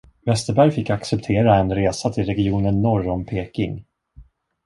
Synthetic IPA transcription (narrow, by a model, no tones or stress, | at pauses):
vɛst̪əɾbæɾjfɪkːaksɛpt̪ʰeːɾaɛnɾeːsat̪ʰɪlɾɛɡɪuːnənːɔɾːɔmpʰeːkɪ̰ŋ